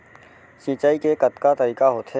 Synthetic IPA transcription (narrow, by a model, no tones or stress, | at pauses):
ʃit͡ʃaːikekət̪kat̪əɾiːkaɦoːt̪ɦe